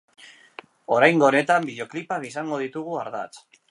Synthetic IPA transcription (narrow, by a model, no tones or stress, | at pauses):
o̞ɾajŋɡo̞ːne̞t̪ambiðjo̞klipakisaŋɡo̞ð̞it̪uɣ̞uaɾða̰t͡s